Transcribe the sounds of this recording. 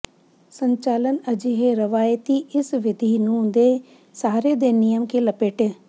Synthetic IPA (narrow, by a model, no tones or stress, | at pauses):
səɲt͡ʃaːlənəd͡ʒiːɦeːɾəʋaːjt̪iːʔɪsʋɪd̪ʱiːnũːd̪eː | saːɾeːd̪eːnɪjəmkeːləpeːʈeː